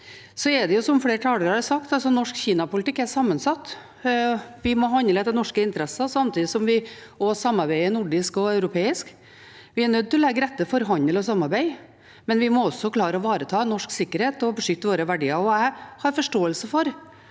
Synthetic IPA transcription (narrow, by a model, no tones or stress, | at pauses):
sɔɛɖɛjʊsɔmfleːɾʈʰɑːləɾɑɾsɑkt̪ɑlsɔnɔʂkçiːnɑpʊlɪt̪ɪkːæɾsɑmːənsɑt̪ː | ʋɪmɔɦɑnd̪ləd̪ɛnɔʂkəɪnt̪əɾɛsəsɑmt̪ʰiːd̪ɪsɔmʋɪɔsɑmːɑɾbæɪənʊɖɪskɔœʉɾʊpʰeːɪsk | ʋɪæɳœd̪̚t̪ɪllɛɡəɾɛt̪ːəfɔɾɦɑnəlɔsɑmːɑɾbæɪ | mɛnʋɪmɔɔsːɔkʰlɑːɾəɔʋɑːɾət̪ʰɑːnɔʂksɪkːəɾheːt̪ɔbəʂʏkt̪əʋoːɾəʋæɖiːəɾɔæɪhɑɾfɔʂʈoːəlsəfɔɾ